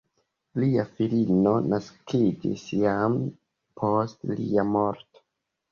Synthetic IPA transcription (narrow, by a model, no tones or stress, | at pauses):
liafilino̞naskid͡ʒḭsjam | pʰo̞stliamo̞ɾto̥